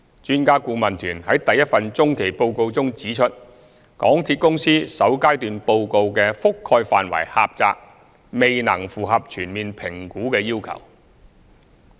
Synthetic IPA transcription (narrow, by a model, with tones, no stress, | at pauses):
t͡ʃyː˥nkaː˥kuː˧mɐ˨˩nt̪ʰyː˨˩nhɐ˨˥jt̪ɐ˨jːɐ˥t̚fɐ˨˧nt͡sʊ˥ŋkʰe˨˩jpo˧wko˧wt͡sʊ˥ŋt͡siː˨˥t͡ʃʰɵ˥t̚ | kɔ̰ː˨˥ŋt̪ʰiː˧t̚kʊ˥ŋsiː˥sɐ˨˥wkaː˥jt̪yː˨npo˧wko˧wkɛː˧fʊ˥kʰːɔː˧jfaː˨nwɐ̰˨˩jha̰ː˧p̚t͡sa̰ː˧k̚ | me˨jnɐ̰˨˩ŋfuː˨ɦɐ˨p̚t͡ʃʰyː˨˩nmiː˨npʰɪ˨˩ŋkuː˨˥kɛː˧ji˥wkʰɐ̰˨˩w